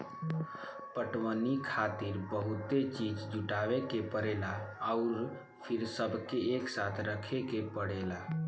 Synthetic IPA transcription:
pəʈwənikʰat̪iɾbəɦut̪et͡ʃid͡ʒd͡ʒuʈaʋekepəɾelaːʊɾ | pʰiɾsəbʱkeːksat̪ʰɾəkʰekepəɽela

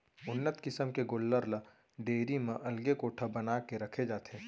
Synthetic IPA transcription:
ʊnːət̪kɪsəmkeɡʊlːəɾlə | ɖeːɾimə̃ʔɐlɡekoːʈʰəbɐnaːkeɾɐkʰed͡ʒaːt̪eː

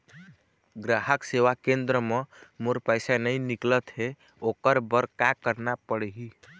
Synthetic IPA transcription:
ɡɾaɦəkseʋakẽnd̪ɾəmemoɾpəɪsanəiniklət̪ɦe | okəɾbəɾkakəɾnapəɽɦi

